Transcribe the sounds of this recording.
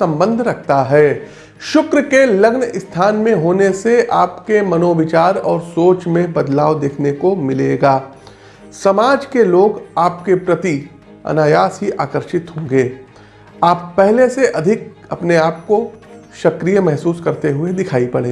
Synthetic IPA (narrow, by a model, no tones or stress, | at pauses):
sɐ̃mbə̃nd̪ʱɾɐk̚ʰt̪aɦɛː | ʃʊkɾkelɐɡnɪst̪ʰaːnmẽɦoːneseaːpkemɐnoːʋɪt͡ʃaːɾɔːɾsoːt͡ʃmẽbɐd̪laːʋd̪eːkʰnekomɪleːɡaː | sɐmaːd͡ʒkeloːɡaːp̚kepɾɐt̪i | ɐ̰naːjaːsɦiʔaːkəɾʃɪt̪ɦõːɡeː | aːpːɛɦleseʔɐd̪ʱɪk | ɐpneaːp̚koʃɐkɾijəmɛɦsuːskɐɾt̪eɦʊed̪ɪkʰaːipɐɽeː